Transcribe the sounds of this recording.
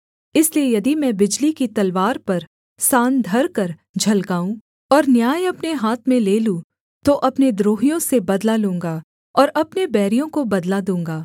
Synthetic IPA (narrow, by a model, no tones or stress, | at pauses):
ɪsliejɐd̪imɛ̃bɪd͡ʒlikit̪ɐlʋaːɾpɐɾ | saːnd̪ʱɐɾkɐɾd͡ʒʱɐlɡaːũ | ɔːɾnjaːjɐpneɦaːt̪ʰmẽleːlũ | t̪oʔɐpned̪ɾoːɦijõsebɐd̪lalũːŋɡa | ɔːɾɐpnebɛːɾijõkobɐd̪lad̪ũːŋɡaː